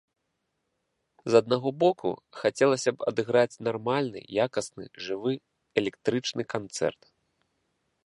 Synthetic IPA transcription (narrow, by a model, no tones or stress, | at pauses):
zɐd̪naɣɔbɔkʰṵxat͡sʲɛlˠɐsʲɐpɐ̰d̪ɨɣɾat͡sʲnarmalʲnɨ̰jakɐsnɨ̰ʐɨvɨ | ɛlʲɛkt̪ɾɨt͡ʂnɨkant̪sɛ̰rt̪